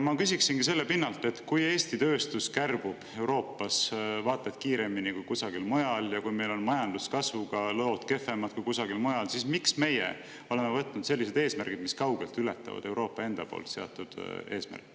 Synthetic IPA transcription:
mɑkysiksinɡis̬e̞lːepinːɑlt̪ˑe̞t̪kuje̞ːsʲt̪it̪ø̞ːst̪uskærb̥ub̥e̞wɾo̞ːpːɑsvɑːt̪ːˑɑt̪ˑkiːɾe̞minikujkusɑɡ̥ilmo̞jɑljɑkujme̞jlo̞nmɑjɑnd̪̥uskɑsvuɡ̥ɑloːt̪ke̞fe̞mɑd̪̥kujkusɑɡilmo̞jɑlsismiksme̞jḛ | o̞le̞mevɤt̪ːˑnud̪̥se̞lːis̬e̞d̪e̞ːsmærɡ̥id̪̥miskɑwɡ̥e̞lt̪ˑylet̪ːˑɑ̰vɑ̰d̪e̞wɾo̞ːpːˑɑe̞nd̪̥ɑpo̰ːlt̪se̞ɑ̰t̪ːˑud̪̥e̞ːsmæ̰rkːˑ

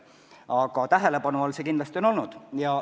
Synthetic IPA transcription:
ɑɡ̥ɑt̪æɦele̞pɑnuolse̞kind̪lɑst̪io̞no̞lnud̪̥jɑ

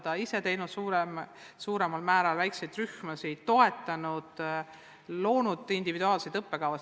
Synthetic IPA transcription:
d̪̥ɑise̞t̪e̞jnud̪̥suːɾem | suːɾe̞mɑlmæːɾɑlvæjksejd̪ryhmɑsit̪o̞e̞t̪ːˑɑnud̪̥ | lo̞ːnud̪ind̪ivid̪uɑːlsejd̪ɤpːe̞kɑwvɑs

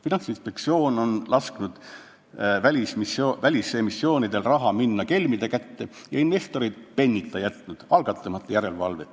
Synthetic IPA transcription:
finɑnsinspe̞kt̪sio̞ːno̞nlɑsknud̪̥ | vælʲismisovælʲisemisːjo̞ːnid̪̥e̞lrɑɦɑminːɑke̞lʲmid̪e̞kæt̪ːe̞ | jɑinve̞st̪o̞ɾid̪̥̚pe̞nʲːit̪ʰˑːɑjæt̪nud̪̥ɑlɡ̥ɑt̪ːˑɑmɑt̪ːˑɑjæɾe̞lvɑlve

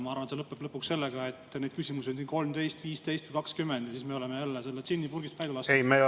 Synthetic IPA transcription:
mɑɑɾvɑnselɤpːˑeb̥lɤpːuksse̞lːeɡ̥ɑe̞t̪ːne̞d̪̥kysʲimuseonsinko̞lmt̪e̞jst̪viːst̪e̞jst̪vujkɑkskymːend̪jɑsiːsme̞o̞leme̞jælːese̞lːesinʲːipurɡist̪væjd̪elɑsejme

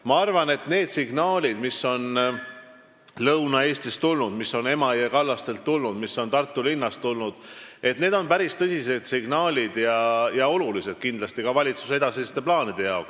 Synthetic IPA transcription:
mɑɑrvɑne̞t̪ne̞ːd̪̥siɡ̥nɑːlʲid̪misːo̞n | lɤwnɑe̞ːst̪ist̪ulnud̪miso̞ne̞mɑiekɑlːɑst̪e̞lt̪ːulnud̪̥misːo̞nt̪ɑrt̪ːˑulinːɑst̪ulnud̪̥e̞t̪ne̞ːd̪o̞npæɾist̪ɤsʲise̞d̪̥siɡ̥nɑːlʲid̪̥jɑjɑo̞lulise̞d̪̥̚kind̪lɑst̪ikɑvɑlʲit̪su̥se̞d̪ɑsest̪e̞plɑːnid̪̥e̞jɑoks

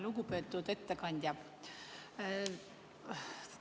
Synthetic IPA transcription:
luɡupe̞ːt̪ːˑud̪e̞t̪ːekɑnʲd̪̥ʲjɑ

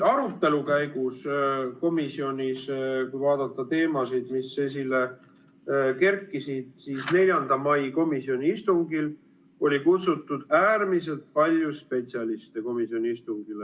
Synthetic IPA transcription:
ɑɾut̪ːe̞lukæjɡusko̞misio̞nʲiskujvɑːd̪̥ɑt̪ːˑɑt̪e̞ːmɑsid̪̥misːes̬ilːe | ke̞rkːˑisid̪̥siːsne̞lʲjɑnd̪̥ɑmɑjko̞misio̞nʲiist̪uŋɡil | o̞lʲikut̪sut̪ːˑud̪̥æːrmis̬e̞lt̪̚pɑlʲjuspe̞t̪sʲiɑlist̪e̞ko̞misio̞nʲiist̪uŋɡ̥ile

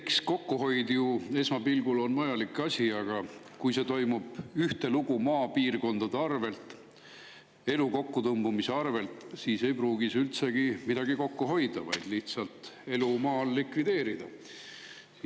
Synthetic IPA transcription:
ksko̞kːuɦo̞jd̪jue̞smɑpilɡ̥ulo̞nmɑjɑlikɑsʲiɑɡ̥ɑ | kujse̞t̪o̞jmub̥yht̪e̞luɡ̥umɑːpiːrko̞nd̪̥ɑd̪̥eɑrve̞lt̪ˑ | e̞luko̞kːut̪ɤmb̥umise̞ɑrve̞lt̪siːse̞jpruːɡisylt̪se̞ɡ̥imid̪ɑɡ̥iko̞kːuɦo̞jd̪ɑvɑ̰jd̪̥liht̪sɑlt̪e̞lumɑːlːikvid̪e̞ːɾid̪̥ɑ

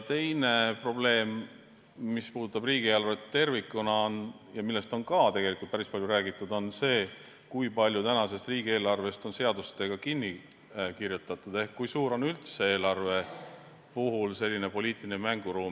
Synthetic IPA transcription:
t̪e̞jne̞pro̞ble̞ːmː | ispuːd̪ut̪ːˑɑb̥riːɡ̥ie̞ːlɑrvet̪t̪ːe̞rvikːˑunɑon | jɑmilːe̞st̪o̞nkɑt̪e̞ɡe̞likˑult̪̚pæɾispɑlʲjuɾæːɡit̪ːˑud̪̥o̞nse̞ː | kujpɑlʲjut̪ænɑse̞st̪riːɡ̥ie̞ːlɑrve̞st̪o̞nse̞ɑd̪ust̪e̞ɡ̥ɑkinʲːi | kirjut̪ːˑɑt̪ˑud̪̥e̞hkːujsuːɾo̞nylt̪see̞ːlɑrve̞ | puɦulse̞lʲːine̞po̞liːt̪ˑilinemæŋɡ̥uɾuːm

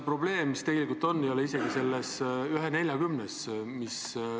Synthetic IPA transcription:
pro̞ble̞ːmːist̪eɡe̞likult̪o̞nːejoleise̞ɡ̥ise̞lːesyɦene̞lʲjɑɡymnesmis

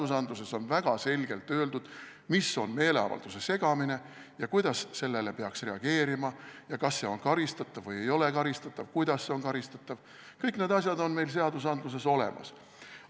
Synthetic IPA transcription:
d̪̥usɑnd̪luse̞so̞nvæɡ̥ɑse̞lʲɡ̥e̞lt̪ːøːld̪ud̪̥ | misːo̞nme̞ːle̞ɑ̰vɑ̰ld̪̥use̞se̞ɡ̥ɑmine̞ | jɑkujd̪̥ɑsːe̞lːe̞le̞pe̞ɑksre̞ɑɡ̥e̞ːɾimɑjɑkɑsːe̞o̞nkɑɾist̪ɑt̪ːˑɑvvːɤje̞jo̞le̞kɑɾist̪ɑt̪ˑːɑvkujd̪̥ɑsːe̞o̞nkɑɾist̪ɑt̪ːˑɑv | kɤjkne̞ːd̪ɑsʲjɑd̪o̞nme̞jlse̞ɑd̪us̬ɑnd̪lus̬e̞so̞le̞̰mʔɑ̰s

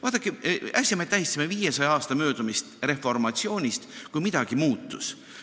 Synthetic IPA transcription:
vɑːt̪ːˑɑkːˑeæsʲɑmet̪ːæɦist̪simeviːjesɑjɑɑːst̪ɑmø̞ːd̪umist̪re̞fo̞rmɑt̪sio̞ːnʲist̪kujmid̪̥ɑɡ̥imuːt̪ːus

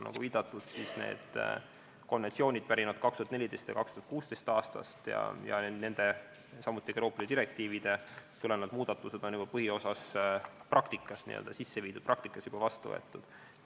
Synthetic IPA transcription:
nːɑ̰ɡ̥uviːd̪̥ɑt̪ːˑud̪̥sisne̞̰ːd̪̥ | ko̞nvent̪sio̞ːnʲid̪̥̚pæɾinɑd̪̥̚kɑkst̪uɑt̪nelʲid̪e̞st̪jɑ̰kɑkst̪uɑt̪kuːst̪ejst̪ɑːst̪ɑ̰st̪jɑ̰jɑ̰ne̞nd̪̥e̞ | sɑmut̪ːˑieɾo̞ːpːˑlid̪ed̪iɾek̚t̪iːvid̪̥e̞t̪ulenɑd̪̥muːd̪̥ɑt̪ːˑused̪̥o̞nub̥ɑpɤhio̞sɑsprʔɑkt̪ikːˑɑsnḭːø̰ld̪ɑsisːeviːd̪̥ud̪̚prɑk̚t̪ikːˑɑsjub̥ɑvɑst̪uvɤ̰et̪ːˑud̪̥

